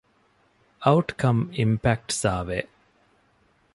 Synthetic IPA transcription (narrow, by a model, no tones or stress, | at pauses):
ɐuʈkɐmimpæk̚ʈsaːʋe